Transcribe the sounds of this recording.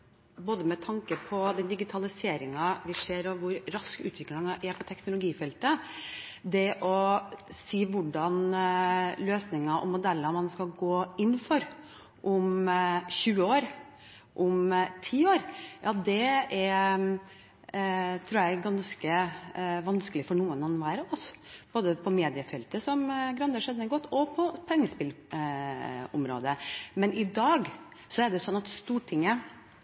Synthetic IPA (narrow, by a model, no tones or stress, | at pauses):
boːd̪əmɛt̪ʰɑŋkəpʰɔd̪ɛnd̪ɪɡɪt̪ʰɑlɪseːɾɪŋɑʋɪʂeːɾɔʋʊɾɾɑskʉ̰ːt̪ʋɪklɪŋɑʔɛɾpʰɔt̪ʰɛknʊlʊɡiːfɛlt̪ə | d̪ɛʔɔsiːʋʊɖɑn | løːsnɪŋɑʔɔ̰mʊd̪ɛlːəmɑnskɑɡoːɪnːfɔɾ | ʔʊmçʉːəoːɾ | ʔʊmt̪ʰiːoːɾjɑːd̪ɛɛɾ | t̪ʰɾuːɾjæɪɡɑnskə | ʋɑnskəlɪfɔɳuːənɑnʋæːɾəɔsb̥oːd̪əpʰɔmeːd̪ɪəfɛlt̪əsɔmɡɾɑnd̪əʂɛd̪ənɛɡɔt̪ːɔpʰɔpʰɛŋːəspɪl | ʊ̰mɾo̰ːd̪əmɛnɪd̪ɑːɡsɔɛɖɛsɔnːɑt̪st̪uːʈʰɪŋːə